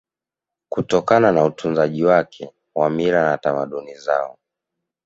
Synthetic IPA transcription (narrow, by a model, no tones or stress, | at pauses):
kutɔkananautʰunzaʄiwakʰɛ | wamiɾanatamaɗunizaɔ